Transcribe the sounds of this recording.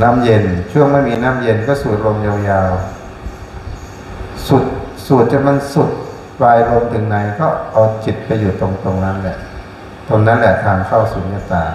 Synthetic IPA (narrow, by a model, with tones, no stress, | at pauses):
naː˦˥˩mje˧nt͡ɕʰu˥˩əŋma˥˩jmiː˧naː˥˩˨mje˧nkɔː˥˩suː˨˩t̪̚ɾo˧mjaː˧wjaː˧w | su˨˩t̪̚ | suː˨˩t̪̚t͡ɕa˧˩ma˧nsu˨˩t̪̚ | waː˧jɾo˧mt̪ʰɯ˨˦ŋna˨˩˦jkɔː˥˩ʔa˧wt͡ɕi˨˩t̪̚pa˧jːuː˨˩t̪o˧ŋt̪o˧ŋna˦˥nlɛ˨˩ʔ | t̪o˧nːa˦˥nlɛ˨˩ʔt̪ʰaː˧ŋkʰa˥˩wsuː˩˦nkaː˧˥˩t̪aː˨˩ŋ